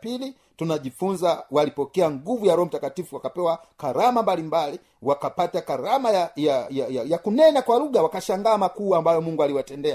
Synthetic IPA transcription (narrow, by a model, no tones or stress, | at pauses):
pili | tunaʄifunzawalipɔkɛaŋɡuvujaɾɔɔm̩takatifuwakapɛwakaɾamambalimbali | wakapatakaɾamajajajajajakunɛnakwaluɡawakaʃaŋɡaːmakuambajɔmuŋɡualiwatɛndɛa